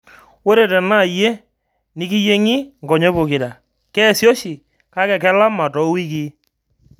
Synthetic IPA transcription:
wo˦ɾe˨tɛ˨na˦˨je˦ | ni˦ki˦je˦ŋi˦ŋɡɔ˨ɲe˦bo˨kɪ˨da˨ | kɛ˦˨sjo˦ʃi˨ | ka˦kɛ˨kɛ˦la˦ma˨tɔ˨˦wi˦k̬i˦

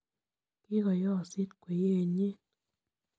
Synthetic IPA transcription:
kɪ˦ɡɔ˨jɔ˦˨sɪ˦t̪kwe˨je˦˨ɲe˦

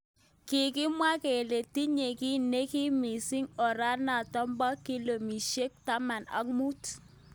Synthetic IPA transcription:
kɪ˨kɪ˦mwa˦ke˨le˨ti˦ɲe˨ki˦ne˦ki˦mi˨sɪ˦ŋɔ˨ɾa˦na˨tɔ˦mbɔ˦ki˦lo˨mi˨ʃe˦k̚ta˦ma˨na̰˦k̚mu˦t

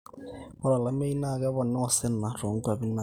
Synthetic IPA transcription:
ʊ˦la˨la˦me˦i˦na˦˨ka˦βɔ˨nɛ˦ɔ˦sɛ˦n̩˨a˨rɔ˨ŋ̩˦kwa˨bi˦na˨

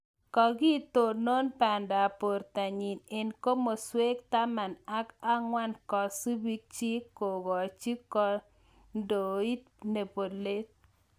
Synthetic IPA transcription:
kɔ˨ɡi˦t̪o˨no˦npa˨nda˨po˨ɾt̪a˨ɲi˨ne˨nko˦mo˨swe˦kt̪a˦ma˨na˦ka˦ŋwa˦nkɔ˨su˦bi˦k̚t͡ʃi˦ko˨ɡɔ˨t͡ʃi˦kɔ˦ | ndo˨i˦t | ne˨po˨le˦t̚

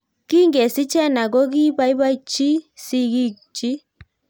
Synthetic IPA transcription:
ki˦ŋɡɛ˨si˦t͡ʃɛ˦na˨kɔ˦ki˦ba˦i˦βa˦i˦t͡ʃi˦si˦ɣi˦t͡ʃi˦

